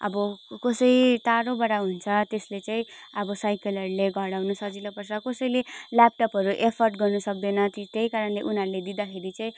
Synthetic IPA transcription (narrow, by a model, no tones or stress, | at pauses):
ʌ̰bʌkʌsʌjt̪aɾobaɽaɦunt͡sʰʌt̪eslet͡saĩʌbʌsajkelʌɾleɡʱʌɽawnusʌd͡zilʌpʌrt͡sʰʌkʌsʌjlelap̚ʈʌpʌɾuʔepʰʌrʈɡʌrnusʌk̚d̪enʌt̪it̪ejkaɾʌnleʔunɦʌɾuled̪id̪akʰeɾit͡saĩ